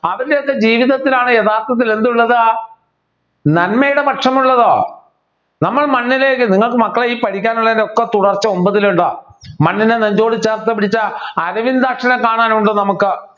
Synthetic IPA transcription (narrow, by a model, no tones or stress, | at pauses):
ɐʋɐɾdeokːe̞d͡ʑiːʋiðɐt̪ːilaːɳɨjeðaːrt̪ːɐt̪ːile̞nd̪uɭːɐðɨ | nɐnmɐjuɽemɐʈʂɐmuɭːɐðoː | nɐmːɐɭmɐnːileːkːɨniŋːɐɭkɨmɐkːɐɭeiːpɐɽikʲːaːnuɭːɐðindeokːet̪uɽɐrt͡ɕːɨo̞mbɐðiluɳɖɨmɐnːineneɲd͡ʑo̞ːɽit͡ɕːaːrt̪ːɐpːiɽit͡ɕːɐɐɾɐʋind̪aːkʂɐnɐkaːɳaːnuɳɖɨnɐmukːɨ